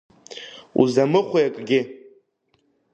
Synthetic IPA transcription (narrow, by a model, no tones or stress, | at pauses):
ṵzamɨχʷujakʼɡʲɪ